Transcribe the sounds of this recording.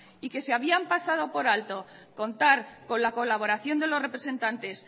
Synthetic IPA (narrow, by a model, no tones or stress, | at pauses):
ike̞seaβiampasað̞o̞po̞ɾalt̪o̞ | ko̞nt̪aɾko̞nlako̞laβo̞ɾaθjo̞nd̪e̞lore̞pɾese̞nt̪ant̪e̞s